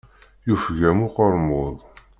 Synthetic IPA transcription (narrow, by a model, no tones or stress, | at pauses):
jufʝæmʊqəɾˤmoðˤ